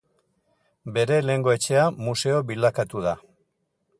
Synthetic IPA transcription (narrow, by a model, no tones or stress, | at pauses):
be̞ɾe̞le̞ŋɡo̞e̞t͡ʃe̞amuse̞o̞βilakat̪uða